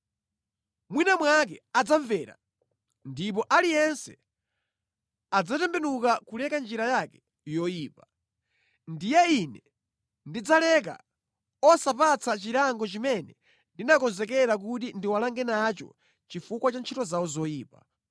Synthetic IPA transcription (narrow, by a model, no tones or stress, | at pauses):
mwinamwak̬ɛad͡zaɱvɛːɾa̰ | ndip̬ɔʔalijɛnsɛ | ad͡zatɛmbɛnukakulɛkand͡ʒiɾajakɛ̥ | jɔjiːpa | ndijɛinɛ | ndid͡zalɛk̬a̰ | ɔsapat͡sʰat͡ʃiɾaŋɡɔt͡ʃimɛnɛ | ndinakɔnzɛkɛɾak̬utindiwalaŋɡɛnat͡ʃɔ̰ | t͡ʃifukwat͡ʃant͡ʃʰitɔzawɔzɔjiːpa̰